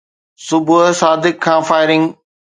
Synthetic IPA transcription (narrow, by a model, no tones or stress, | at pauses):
sʊbʱʊɦsaːd̪ɪkʰːãːfaːɪɾɪ̃ŋɡ